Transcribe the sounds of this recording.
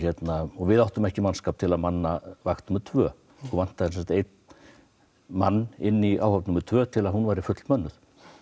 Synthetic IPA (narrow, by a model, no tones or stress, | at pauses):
çɛt̪naɔvɪðawht̪ʏmɛhcɪmanskaːp̚t̪ʰɪlaðmanːavaxt̪numʏɾt̪ʰvœː | ɔvan̥t̪aðɪnsɛsat̪ejt̪ | manːɪnːia̰ːwhap̪numːʏɾt̪ʰvœːt̪ʰɪlaðhunvajɾɪfʏt̪lmœnːʏθ